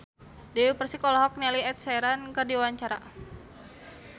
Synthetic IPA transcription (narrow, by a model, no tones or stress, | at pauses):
dɛwipərsikɔlaɦɔk̚nɛliɛt̪̚sɛɾankɨrdiwaɲt͡ʃaɾa̰